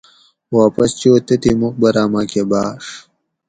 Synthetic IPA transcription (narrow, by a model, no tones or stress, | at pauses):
waːpɐst͡ɕoːt̪ɐt̪imuk̚bɐɾaːmakebaːʂ